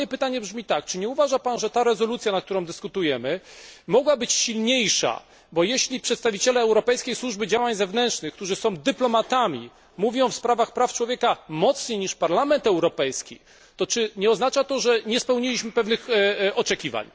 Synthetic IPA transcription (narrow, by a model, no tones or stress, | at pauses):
jɛpɘt̪aɲɛbʐmʲit̪akt͡ʂɘɲɛuvaʐapanʐɛt̪aɾɛzɔlut̪sʲjanak̚t̪uɾɔ̃w̃d̪ɘskut̪ujɛmɘmɔɡwabɘt͡ɕɕilɲejʂa̰ | bɔjeɕlʲipʂɛt̪st̪avʲit͡ɕɛlɛːwɾɔpɛjskʲejswuʐbɘd͡ʑawaɲzɛvnɛntʂnɘxk̚t̪uʐɘsɔ̃w̃d̪ɘplɔmat̪amʲi | muvʲjɔ̃w̃fspɾavaxpɾaft͡ʂwɔvʲjɛkamɔt̪sɲejɲiʂpaɾlamɛnt̪ɛwɾɔpɛjskʲḭ | t̪ɔt͡ʂɘɲɛɔznat͡ʂat̪ɔʐɛɲɛspɛwɲilʲiɕmɘpɛvnɘxɔt͡ʂɛkʲiva̰ɲ